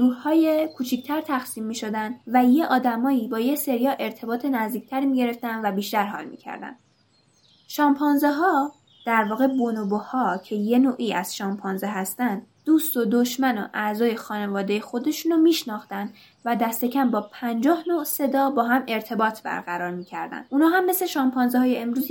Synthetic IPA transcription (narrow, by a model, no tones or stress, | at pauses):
ɾuːhhɒːjekʰut͡ʃʰict̪ʰæɾt̪ʰæxsiːmːiːʃo̞d̪ænd̪væjeʔɒːd̪æmɒːiːbɒːje̞se̞ɾijɒːʔe̞ɾt̪ʰe̞bɒːt̪ʰe̞næzd̪iːc̚ʰt̪ʰæɾimiːɟe̞ɾe̞ft̪ænd̪væbiːʃt̪æɾɦɒ̰ːlmḭːcʰæ̰ɾd̪æ̰nd̪ | ʃɒːmpʰɒnzeɦɒː | d̪̥æɾvɒːɣe̞bonobohɒːcʰe̞je̞noːʔiːæz̥ʃɒːmpʰɒnzeɦæst̪ænd̪̥ | d̥̪uːst̪o̞d̪oʃmæno̰ʔæzɒːje̞xɒːne̞vɒːd̪eje̞xo̞d̪e̞ʃuːnɒmiːʃnɒːxt̪ænd̪ | væd̪æst̪e̞cʰæmbɒːpʰænd͡ʒɒːhnoʔse̞d̪ɒːbɒːɦæme̞ɾt̪ʰe̞bɒːt̪ʰbæ̰ɾɣæɾɒːɾmiːcʰæɾd̪æ̰nd̪ʔuːnɒːɦæmːesleʃɒːmpʰɒːnzeɦɒːje̞emɾuːz